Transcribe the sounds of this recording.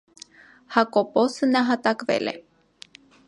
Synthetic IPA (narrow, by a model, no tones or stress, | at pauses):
hakoposɨnaɦat̪akβḛlḛ